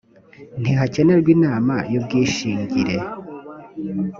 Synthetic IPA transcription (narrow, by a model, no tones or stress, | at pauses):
n̥iɦace̞ne̞ɾɡwiːnaːmajob̚ɡiːʃiːɲɟiɾe̞